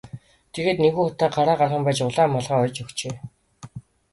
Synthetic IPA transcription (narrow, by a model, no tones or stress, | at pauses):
t̪ʰeɣeːt̪neɣuːχʊt̪aːɢaɾaːɢarχə̆mpæːt͡ɕʊɮaːmːɔɮʁaːɔjt͡ɕʊkt͡ɕeː